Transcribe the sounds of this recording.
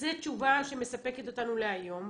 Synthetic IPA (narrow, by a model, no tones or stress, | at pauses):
zet͡ʃuvaʃe̞me̞sape̞ket̪o̞tanuleajo̞m